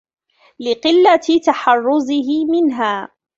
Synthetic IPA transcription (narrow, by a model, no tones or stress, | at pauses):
lɪqɪlːat̪aħɑrˤːʊzɪɦɪmɪnɦaː